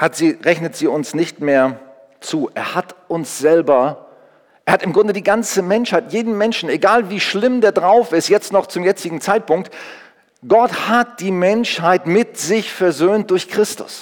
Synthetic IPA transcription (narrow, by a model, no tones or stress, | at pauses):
hatz̥iːʁɛçnətz̥iːʊnsnɪçtmeːɐ | t͡suːʔeːɐhatʔʊnsz̥ɛlbɐ | ʔeːɐhatɪmɡʁʊndədiːɡant͡səmɛnʃhaɪtjeːdn̩mɛnʃn̩eɡaːlviːʃlɪmdeːɐdʁaʊfɪstjɛt͡stnɔχt͡sʊmjɛt͡sɪɡŋ̩t͡saɪt̚pʊŋk̚t | ɡ̥ɔthat̚d̥iːmɛnʃhaɪtmɪtz̥ɪçfɛɐzøːnt̚d̥ʊɐçkʁ̥ɪstʊ̰s